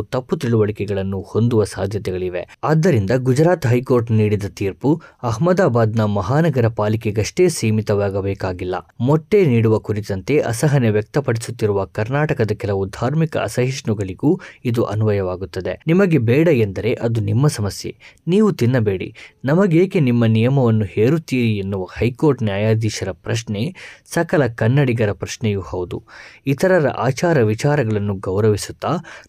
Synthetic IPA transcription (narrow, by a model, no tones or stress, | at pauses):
t̪ɐpːut̪iɭuʋɐɭikɛɡɐɭɐnːuho̞nd̪uʋɐsaːd̪ʱjɐt̪ɛɡɐɭiʋe̞̰aːd̪ːɐɾind̪ɐɡud͡ʒɾaːt̪ɦɐjko̞ːɾʈniːɽid̪ɐt̪iːɾpuɐɦmɐd̪aːbaːd̪nɐmɐɦaːnɐɡɐɾɐpaːlikeɡɐʂʈe̞ːsiːmit̪ɐʋaːɡɐbeːkaːɡilːɐ̰mɔʈːe̞niːɽuʋɐkuɾit̪ɐnt̪e̞ʔɐ̰sɐɦɐneʋjɐk̚t̪ɐpɐɽisut̪ːiɾuʋɐkɐɾnaːʈɐkɐd̪ɐkɛlɐʋud̪ʱaːɾmikɐ̰ɐ̰sɐɦiʂɳuɡɐɭiɡuːid̪uʔɐ̰nuʋɐjɐʋaːɡut̪ːɐd̪enimɐɡe̞bɛːɽɐend̪ɐɾe̞ʔɐd̪unimːɐsɐmɐsje̞̰niːʋut̪inːɐbe̞ːɽḭnɐmɐɡeːkenimːɐnijɐmɐʋɐnːuheːɾut̪ːiːɾienːuʋɐhɐjko̞ːɾʈnjaːjaːd̪iːʃɐɾɐpɾɐʂne̞sɐkɐlɐkɐnːɐɽiɡɐɾɐpɾɐʃnɛjuhɐwd̪ṵit̪ʰɐɾɐɾɐ̰ʔaːt͡ʃaːɾɐʋit͡ʃaːɾɐɡɐɭɐnːuɡɐwɾɐʋisu̥t̪ːaː